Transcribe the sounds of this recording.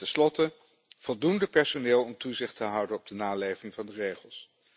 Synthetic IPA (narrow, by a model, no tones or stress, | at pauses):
tɛnslɔtə | v̥ɔlˠdundəpɛɹsonɪːlˠɔmtuzɪχtəɦʌwdənɔb̚dənaːlejvɪŋvɑndərejχəlˠs